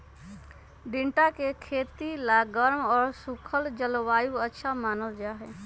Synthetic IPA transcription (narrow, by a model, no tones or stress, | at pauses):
ɖɪ̃ɳʈakekʰeːt̪ilaɡəɾmɔːɾsʊkʰəld͡ʒəlʋaːjũətːʃʰamaːnəld͡ʒaːɦɛː